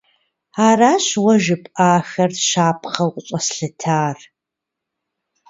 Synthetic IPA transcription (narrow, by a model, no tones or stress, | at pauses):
aːraːɕwɐʒɪpʼaːxɐrʃaːpʰχɐwqʷʼɕʼɐsɬɐtʰaːr